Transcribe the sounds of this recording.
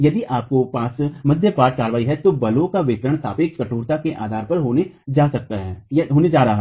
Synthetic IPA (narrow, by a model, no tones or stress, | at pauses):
jɐd̪iʔaːp̚kopaːsmɐd̪ʱjəpaːɾʈ̚kaːɾʋaːiɦɛt̪obɐlõkaʋɪkɾəɽ̃sa̰ːpekkɐʈʰuːɾt̪akeʔa̰ːd̪ʱaːɾpɐɾɦoːned͡ʒaːsɐk̚t̪aɦɛːjɦoːned͡ʒaːɾɐɦa